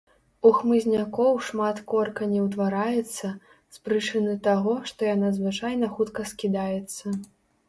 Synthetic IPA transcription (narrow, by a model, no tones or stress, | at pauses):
uxmɨzʲnʲakɔwʂmat̪kɔrkɐnʲɛwt̪vaɾajɛt̪sːɐ | spɾɨt͡ʂɨnɨt̪aɣɔʂt̪ɔjanazvɨt͡ʂajnɐxut̪kɐskʲid̪ajɛt̪sːɐ